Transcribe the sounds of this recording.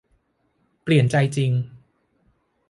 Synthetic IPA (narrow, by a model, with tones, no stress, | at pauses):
pli˨˩ənt͡ɕa˧jt͡ɕi˧ŋ